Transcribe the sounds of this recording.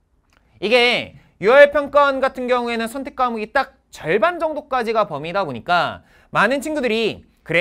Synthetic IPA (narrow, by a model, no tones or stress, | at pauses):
iɡe̞ | juʌɭpʰjʌŋk͈ʌnɡatʰɯnɡjʌŋue̞nɯnsʰʌntʰe̞k͈amuɡit͈ak̚t͡ɕʌɭband͡ʑʌŋdok͈ad͡ʑiɡapʌmidaboɲik͈a | manɯnt͡ɕʰinɡudɯɾi | kɯɾe